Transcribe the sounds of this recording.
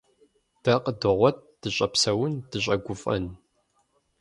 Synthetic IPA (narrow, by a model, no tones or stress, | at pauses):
d̥ɐqədɨʁʷɔt̚d̥ɨɕʼɐpsɐwʊndɨɕ̬ʼɐɡʷʊfʼɐ̰n